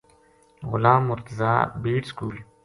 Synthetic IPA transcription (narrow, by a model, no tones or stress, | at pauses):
ɣʊ̰lãːmːʊɾt̪əza̰ːbiːʈskuːl